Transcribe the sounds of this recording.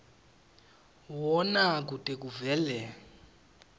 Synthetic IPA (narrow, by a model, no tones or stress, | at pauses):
wɔnak̬utʼek̬uvɛːlɛ